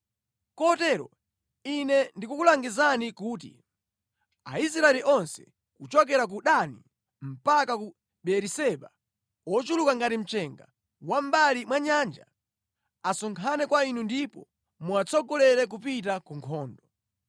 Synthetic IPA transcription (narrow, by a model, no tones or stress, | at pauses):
kɔtɛɾɔ̰ | inɛndikukulaŋɡizanikuːt̬ḭ | ais̬ɾaɛliʔɔnsɛ̥ | kut͡ʃɔk̬ɛɾak̬uɗani | m̩pakaku | ɓɛɾisɛɓa | ɔt͡ʃulukaŋɡatim̩t͡ʃɛŋɡa̰ | wam̩balimwaɲaːnd͡ʒa̰ | asɔŋkʰanɛkwainundipɔ | muat͡sʰɔɡɔlɛɾɛk̬upit̬akuŋkʰɔːndɔ